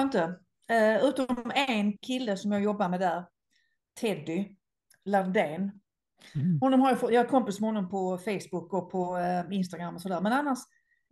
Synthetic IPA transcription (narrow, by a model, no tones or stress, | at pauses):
ənt̪ə | ʉ̟ːt̪ɔɛnkʰɪlːəsɔmjɑːɡjɔbːaɾmɛd̪æɾ | t̪ʰɛd̪ʏ | laɾd̪eːn | hʊnːɔmhaɾjafɔjaɛt̪kʰɔmpɪsmɛhɔnːɔmpʰɔfejsbʊkɔpʰɔɪnst̪aɡɾamːɔsɔd̪æːɾmɛnanːaʂ